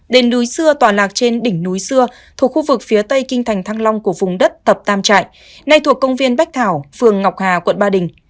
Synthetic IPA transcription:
ɗe˨˦nɗu˨˦jsɨ˧ət̪waː˨˩laː˨˩k̚t͡ɕe˧nɗï˧˩ŋ̟nu˨˦jsɨ˧ə | t̪ʰu˨˩ək̚xu˧vɨ˨˩k̚fi˨˦ət̪ə˧jkï˧ŋ̟t̪ʰa˨˩jŋt̪ʰaː˧ŋla˧wŋ͡mku˧˩əvʊ˨˩ŋ͡mɗə˦˥t̚t̪ʰə˨˩p̚t̪aː˧mt͡ɕa̰ː˧˨jʔ | na˧jt̪ʰu˨˩əkːə˧wŋ͡mvi˧ənɓa˦˥jk̚t̪ʰaː˧˩wfɨ˨˩əŋːa˨˩wk͡p̚haː˨˩kwə̰˧˨nɓaː˧˩ɗï˨˩ŋ̟

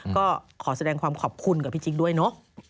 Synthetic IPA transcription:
kɔː˥˩ | kʰɔː˩˦sa˧dɛː˧ŋkʰwaː˧mkʰɔː˨˩p̚kʰu˧nka˨˩pʰiː˥˩t͡ɕi˨˦du˥˩əjnɔ˦˥

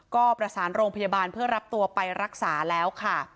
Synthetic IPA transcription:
kɔː˥˩pɾa˧saː˩˦nɾoː˧ŋpʰa˧jaː˧baː˧npʰɯ˥˩ɐɾa˦˥p̚t̪u˧ɐpa˧jɾa˦˥k̚saː˩˦lɛː˦˥wkʰa˥˩

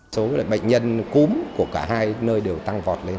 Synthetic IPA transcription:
so˨˦la̰ː˨˩ɓə̰˧˨jŋ̟ɲə˧nku˨˦mku˧˩əkaː˧˩ɦaː˧jnəː˧jɗe˨˩wt̪a˧ŋvɔ˨˩t̚le˧

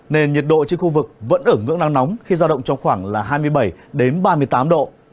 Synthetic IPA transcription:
ne˧nɲi˨˩t̚ɗo̰˧˨t͡ɕe˧nxu˧vɨ˨˩k̚və̰˧˥nʔəː˧˩ŋɨ̰˧˥əŋna˧ŋnɔ˨˦wŋ͡mxi˧zaː˧ɗə̰˧˨wŋ͡mt͡ɕɔ˧wŋ͡mxwaː˧˩ŋlaː˨˩ɦaː˧jmɨ˧əjɓə˧˩jɗe˨˦nɓaː˧mɨ˧əjt̪aː˨˦mɗo̰˧˨

